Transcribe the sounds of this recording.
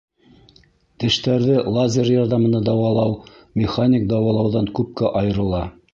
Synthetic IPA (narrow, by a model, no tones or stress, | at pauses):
t̪ɘ̆ʃt̪æɾðɘlˠazʲerjɑɾðɑmɤ̆nɑd̪ɑwɑlˠɑwmʲɪχanʲɪk̚d̪ɑwɑlˠɑwðɑŋkʉp̚kæʔɑjɤ̆ɾɤ̆lˠɑ